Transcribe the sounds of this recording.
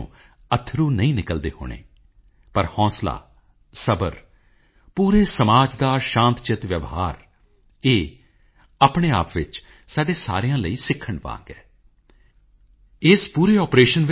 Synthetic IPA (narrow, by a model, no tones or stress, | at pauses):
ṵ̃ː | ət̪ʰːɾuːnəĩːnɪkəld̪ḛːɦo̰ːɳ̃ḛː | pəɾhɔ̃ːsla̰ː | səbə̰ɾ | puːɾeːsəmaːd͡ʒd̪aːʃãːnt̪t͡ʃɪt̪ʋjəʋɦaːɾ | eː | aːpɳeːa̰ːpʋɪt͡ʃ | saːɖeːsa̰ːɾijãːləiːsɪkʰːəɳʋã̰ːɡɛː | ɪspuːɾeːɔːpɾeːʃənʋ